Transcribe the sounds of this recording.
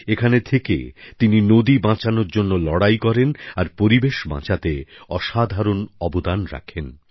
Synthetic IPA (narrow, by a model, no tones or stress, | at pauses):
ekʰanet̪ʰekḛt̪ininod̪ibãt͡ɕanoɾd͡ʑonːolɔɽajkɔɾenaɾpoɾibeʃbã̰t͡ɕat̪eɔʃad̪ʱaɾonɔbod̪anɾa̰kʰen